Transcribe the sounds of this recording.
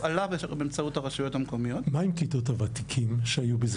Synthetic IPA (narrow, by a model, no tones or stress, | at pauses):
alavebeemt͡sauthaʁaʃujo̞thamko̞mijo̞tmaimkitothavat̪ikʰimʃeajubiz